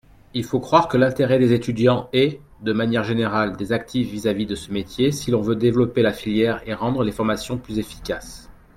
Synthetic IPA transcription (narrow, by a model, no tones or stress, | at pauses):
ilfokχwaʁkəlɛ̃t̪eʁɛd̪ezet̪yd̪jɑ̃ɛ | d̪əmanjɛʁʒeneʁald̪ezak̚t̪ʰifvizavid̪əsəmet̪jesilɔ̃vød̪evlɔpelafiljɛʁeʁɑ̃d̪ʁəlefɔʁmasjɔ̃plyzefi̥kʲas